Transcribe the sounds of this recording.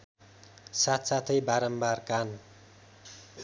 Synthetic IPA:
sat̪ʰsat̪ʰʌjbaɾʌmbarkan

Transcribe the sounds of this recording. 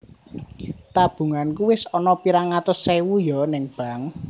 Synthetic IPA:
t̪ab̥ṳŋankuwɪsɔnɔpiɾaŋat̪ʊsːewujɔnɪŋb̥a̤ŋ

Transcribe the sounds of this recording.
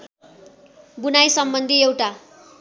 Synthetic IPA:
bunajsʌmbʌnd̪ʱiewʈa

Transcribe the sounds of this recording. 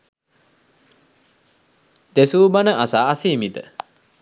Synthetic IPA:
d̪̥esuːbanəʔasaːsiːmid̪ə̰

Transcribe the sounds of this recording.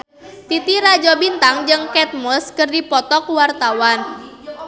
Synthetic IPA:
t̪it̪iɾad͡ʒɔbint̪aŋd͡ʒɨŋkɛt̪̚mɔskɨrdipɔt̪ɔkwart̪awan

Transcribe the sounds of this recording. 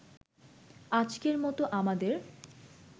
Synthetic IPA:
ad͡ʑkeɾmɔt̪oʔamad̪eɾ

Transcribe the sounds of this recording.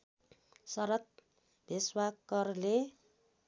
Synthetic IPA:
sʌɾʌt̪̚ | bʱiswakkʌrle

